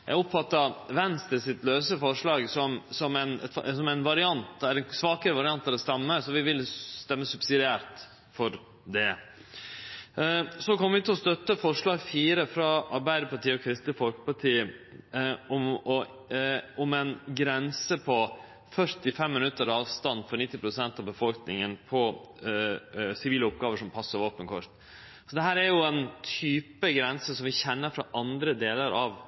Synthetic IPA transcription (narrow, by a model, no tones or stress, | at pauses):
jæ̰ɪʊpfɑt̪ːɑʋɛnst̪əsɪt̪løːsəfɔʂɭɑːɡsɔmsɔmænɛt̪fsɔmænʋɑɾɪɑnt̪ɛɛnsʋɑːkəɾəʋɑɾɪɑnt̪ːɑɾd̪ɛst̪ɑmːəsɔʋɪʋɪlst̪ɛmːəsʉb̥sɪd̪ɪæːɾt̪ | fɔɾ | d̪ɛ | sɔkʰɔmːəʋɪt̪ʰɛlɔst̪œt̪ːəfɔʂɭɑːɡfiːɾəfɾɑɑɾbæɪd̪əɾpɑʈʰiːɔkʰɾɪst̪ɪfɔlkə̥pɑʈʰiː | ɔmɔ | ɔmɛnɡɾɛnsəpʰɔ | fœɾt̪ɪfɛmːɪnʉt̪ːəɾɑːʋst̪ɑnːfɔɾɳɪt̪ːɪpʰɾʊsɛnt̪ɑʋbəfɔlknɪŋənpʰɔ | sɪʋiːləʊp̚ɡɑːʋəʂɔmpʰɑsːəɾʋoːpənkʰɔɾt̪ | sɔd̪ɛɦæːɾæɾjʊɛnt̪ʰyːpəɡɾɛnsəsɔmʋɪçɛnːəɾfɾɑ̰ʔɑnd̪ɾəd̪eːləɾʔɑʋ